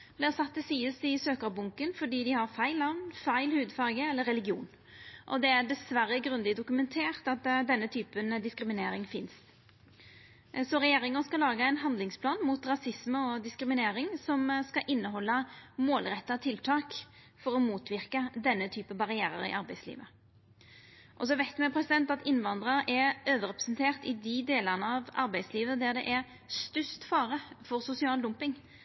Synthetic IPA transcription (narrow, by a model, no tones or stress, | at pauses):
blɪæʁsɑt̪ːɛsiːəsɪsøːkəbʊŋkənfɔɖiːd̪ɪhɑʁfæɪlːɑʋnfæɪlhʉːd̪fɑʁɡəɛlːəɾɛlɪɡjṵːn | ʔɔd̪ɛæʁɖ̪ɛsʋæɾːəɡɾʉnd̪ɪd̪ʊkʉmɛnt̪ʰeːʁt̪ɑt̪̚d̪ɛnːət̪ʰyːpənd̪ɪskɾɪmɪneːɾɪŋfɪnst̪ | sɔɾɛjeːɾɪŋənskɑlɑːɡəɛɪnɦɑnd̪lɪŋspʰlɑːnmut̪ɾɑsɪsməɔd̪ɪskɾɪmɪneːɾɪŋsɔmskɑʔɪnːəɦɔlːəmoːlʁɛt̪ːɑt̪ʰɪlt̪ʰɑːk | fɔɾɔmuːt̪ʋɪʁkəd̪ɛnːət̪ʰyːpəbɑʁɪæːɾə̰ʁɪ̰ʔɑʁbæɪslḭːʋə | ʔɔs̬ɔʋæɪt̪mɛpʰʁɛsɪd̪ɛnt̪ɑt̪ɪnʋɑnd̪ʁəɾɛɾøːʋəɾɛpʁɛsnt̪ʰeːʁt̪ɪd̪ɪd̪eːləʁnəɑʋɑ̰ɾbæɪsliːʋəd̪æʁd̪ɛ̰ʔɛʁ | st̪ʏst̪fɑːʁəfɔʁsʊsɪɑːld̪ʊmpɪŋ